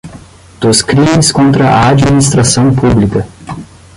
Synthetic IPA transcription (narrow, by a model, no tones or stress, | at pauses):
d̪̥oskɾĩmiskõnt̪ɾɐʔaad͡ʒminis̬t̪ɾasɐ̃w̃publikɐ